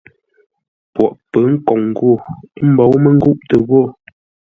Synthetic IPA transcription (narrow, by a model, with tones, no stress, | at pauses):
pwɔ˨ʔpə˨˦ŋ̩˦kɔ˨ŋ˨ɡwo˦˨˦m̩˦bɔ˨˦wmə˦˨ŋ̩˦ɡu˦ʔtə˨ɣo˦˨